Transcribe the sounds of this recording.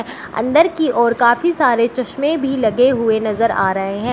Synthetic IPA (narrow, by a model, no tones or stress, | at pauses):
ɐ̰̃nd̪əɾkiʔɔːɾkaːfisaːɾet͡ʃɐʃmẽbʱilɐɡeɦʊenɐzəɾa̰ːɾɐɦeɦɛ̃ː